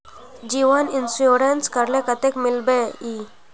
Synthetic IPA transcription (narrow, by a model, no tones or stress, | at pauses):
d͡ʑiʋəninsjuɾenskəɾlẽkət̪ekmilbei